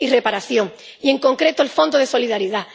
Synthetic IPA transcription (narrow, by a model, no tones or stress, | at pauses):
ire̞paɾaθjõ̞ŋ | ie̞ŋkõ̞ŋkɾe̞t̪oelfo̞nd̪oðe̞so̞liðaɾiða